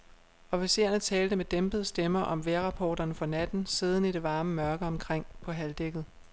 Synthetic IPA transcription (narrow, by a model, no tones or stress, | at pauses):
ɒ̽fise̝ːɐnət͡sʰɛːld̥əmed̥emb̥əð̞̩ˠəsd̥emɐʔɒ̽mʋeɐʁɑ̈pʰɒːɾ̥ɐnəfɒ̽næd̥n̩sið̞ˠn̩iɾe̝ʋɑ̈ːməmɶɐɡ̥əɒ̽mkʰʁeŋ̰pʰɒ̽ɦæld̥eɡ̥ð̩ˠ